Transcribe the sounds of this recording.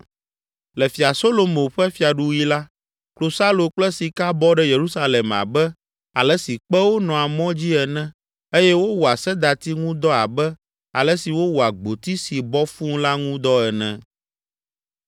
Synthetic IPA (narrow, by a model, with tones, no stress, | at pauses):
lɛ˨fi˨a˨so˦lo˨mõ˨ɸɛ˦fi˨a˨ɖu˦wi˦la˦ | klo˨sa˦lo˨k͡plɛ˦si˨ka˦bɔ˦ɖɛ˦je˨ɾu˦sa˦le˨ma̰˨bɛ˦ | a˨lɛ˦si˨k͡pɛ˦wo˦nɔ̃˨a˨mɔ̃˦d͡ʑi˦ɛ˨nɛ̃˦ | e˦jɛ˦wo˦wu˨a˨sɛ˦d̪a˨t̪i˦ŋũ˦d̪ɔ˦a˨bɛ˦ | a̰˨lɛ˦si˨wo˦wu˨a˨ɡ͡bo˨t̪i˦si˨bɔ˦fũ˦ŋla˦ŋũ˦d̪ɔ˦ɛ˨nɛ̰̃˨